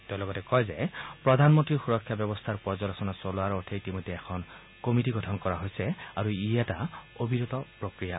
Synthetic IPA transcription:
tɛʊ̃lɔɡɔtɛkɔjzɛpɹɔdʱanmɔntɹixuɹɔkʰːjabjɔbɔst̪ʰaɹpɔzɔlɔsɔnasɔloaɹotʰeitimojdʱːɛɛkʰɔn | komitiɡɔtʰɔnkɔɹaɦojsɛaɹuijataobʱiɹot̪ɔpɹokɹija

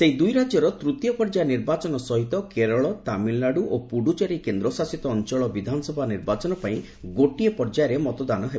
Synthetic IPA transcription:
seid̪ujɾad͡ʒjɔɾɔt̪ɾut̪jɔpɔɾd͡ʒaeniɾbat͡ʃɔnɔsɔɦit̪ɔkeɾɔɭɔt̪amilːaɽuʔopuɽut͡ʃaɾikend̪ɾɔsasit̪ɔːnt͡ʃɔɭɔbid̪ʱanɔsɔbʱaniɾbat͡ʃɔnɔpaĩ | ɡoʈiepɔɾd͡ʒajɾemɔt̪ɔd̪anɔɦe

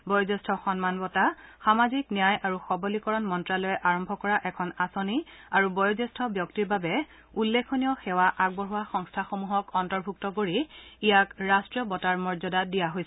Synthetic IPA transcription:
bɔjɔzɛstʰɔxɔnmanbɔtaxamaziknijajʔaɹuxɔbɔlikɔɹɔnmɔntɹalɔjɛʔaɹɔmbʱɔkɔɹaʔɛkʰɔnasoniaɹubɔjɔzɛstʰɔbjɔktiɹbabɛ | ulːekʰonijɔxɛwaʔaɡ̚bɔɹuwaxɔŋstʰaxomuɦɔkɔntɔɹbʱuk̚tɔkoɹiijakɹastɹijɔbɔtaɹmɔɹzɔdadijaɦojs

